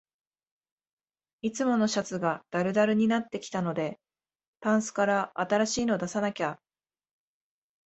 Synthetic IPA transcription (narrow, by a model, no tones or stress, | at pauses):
it͡sɨmo̞no̞ɕat͡sɨɡad̪̥aɾɯ̟d̪aɾɯ̟ɲ̟inat̪ːe̞kʲi̥t̪ano̞d̪e̞ | p̪ãɰ̃sɨ̥kaɾaʔːt̪aɾaɕiːno̞d̪asanakʲa